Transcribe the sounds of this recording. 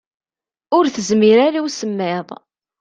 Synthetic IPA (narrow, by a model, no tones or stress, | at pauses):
ʊɾθəzmiɾaɾawsəmːɪðˤ